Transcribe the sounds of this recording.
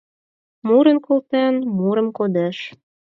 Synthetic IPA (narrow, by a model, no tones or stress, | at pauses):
muɾə̆nkolt̪ænmuɾə̆mkod̪æʃ